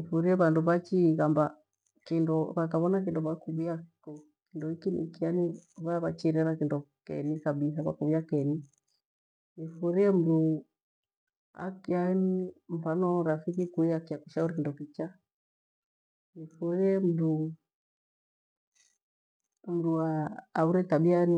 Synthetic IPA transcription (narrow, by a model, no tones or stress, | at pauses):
ifuɾiɛβanduβat͡ʃiɣamba | kindɔβakaβɔnak̬indɔβakuβuakɔ | kindɔikinḭkianiβaβat͡ʃiɾɛɾakindɔkɛ̰nikaɓisakwa̰kuβiakɛni | nifuɾiɛm̩ɾu | a̰kianim̩fanɔɾafikikuiakiakuʃauɾik̬indɔkit͡ʃa | nifuɾiɛm̩du | m̩duaːuɾɛtaɓiani